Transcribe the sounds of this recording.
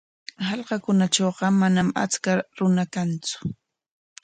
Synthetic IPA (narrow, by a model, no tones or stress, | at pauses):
hɑlqɑkʊnat͡ʃoːɢɑmanama̰t͡skaɾʊnakant͡sʊ̥